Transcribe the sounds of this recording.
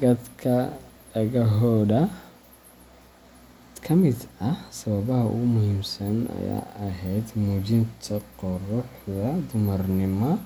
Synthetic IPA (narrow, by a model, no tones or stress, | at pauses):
ɡɐd̪kʰɐ | ɐɣɐɦɔːðɐ | kʰɐmɪd̪ɐhsɐβɐβɐɦɐʔʊ̰ɣʊmʊhiːmsɐnɐ̰ja̰ːɐɦɛjd̪muːt͡ʃɪnt̪ʰɐqɔrʊħðɐd̪ʊmɐrnɪmɔ